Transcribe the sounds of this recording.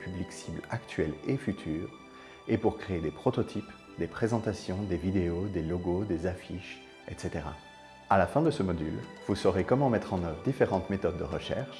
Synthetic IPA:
pybliksiblakt̪ɥɛlefyt̪ʰyːʁ | epuʁkχeːd̪epχɔt̪ɔt̪ʰip | d̪epχezɑ̃t̪asjɔ̃d̪evid̪eod̪elɔɡod̪ezafiʃ | ɛ̰t̪set̪eʁa̰ | alafɛ̃d̪əsəmɔd̪ylvusɔʁekɔmɑ̃mɛt̪χɑ̃nœvʁd̪ifeʁɑ̃t̪met̪ɔd̪̚ːəʁəʃɛ̰ʁʃ

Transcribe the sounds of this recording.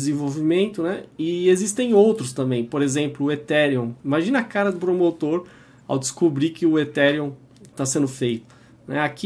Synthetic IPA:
zẽvowvimẽnt̪ʊnɛɪezist̪ẽj̃owt̪ɾʊst̪ɐ̃mbẽj̃poɾezẽmplʊʊet̪ɛɾiõw̃ĩmaʒĩnɐakaɾɐd̪ʊpɾomot̪oɾ | a̰wd̪ɪskobɾikɪʊet̪ɛɾiõw̃ | t̪asẽnd̪ʊfejt̪ʊ̥ | nɛ̰aki

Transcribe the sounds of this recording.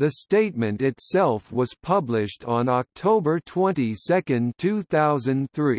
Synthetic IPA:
ðɨsteɪt̚mɨ̃ntɪtssɛlˠfwʌz̥pʰʌblɪʃtn̩ɑk̚tʰoʊbə˞tʰw̥ɛ̃ntisɛkɨ̃ntʰʉθaʊzɨ̃nθɹi

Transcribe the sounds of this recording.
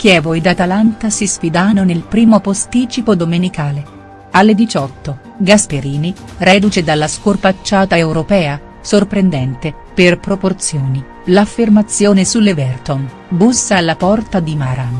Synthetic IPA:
k̟jɛːvoed̪at̪alant̪asisfid̪anːonelpɾiːmopost̪iːt͡ʃipod̪omenikaːle | alːed̪it͡ʃɔt̪ːo | ɡaspeɾiːni | rɛːd̪ut͡ʃed̪alːaskorpat͡ʃːaːt̪aewɾopɛːa | sorpɾend̪ɛnt̪e | perpɾoport̪sjoːni | lafːermat̪sːjoːnesulːevɛrt̪on | busːalːapɔrt̪ad̪imaːɾa

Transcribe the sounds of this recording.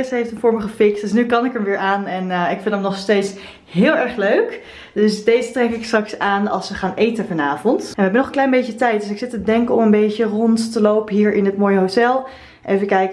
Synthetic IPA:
ɪsɦejftənfʊːɹməχəfɪksd̥snykɑnɪkəmʋɪːɹʔaːnɛnɪkfɪndəmnɔχstejts | ɦɪːlˠɛɹχløɥk | dɵsdejzətrɛkɪkstrɑksaːnɑ̰lˠsʋəχaːnʔejtəfɑnaːvɔntɛnʋəɦɛbənɔχənklɛjnbejətɛjt̚dɵsɪksɪtədɛŋkəɔmənbejcərɔnttəlowpəɦiːɹɪnətmoːjəɦowtɛlˠ | ʔejvəkɛjk

